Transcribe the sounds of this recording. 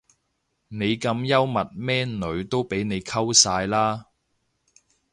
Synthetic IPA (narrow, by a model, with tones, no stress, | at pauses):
ne˨˧jkɐ˧mjɐ˥wmɐ˨t̚mɛː˥nɵ˨˧ɥt̪o˥wpe˨˥jne˨˧jkʰɐ˥wsaː˧jlaː˥